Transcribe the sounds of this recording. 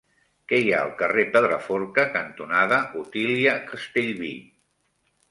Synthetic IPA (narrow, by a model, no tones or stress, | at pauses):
kɛjaə̰lˠkərepəðɾəfɔɾkəkənt̪unaðəʔut̪iliəkəst̪eʎβḭ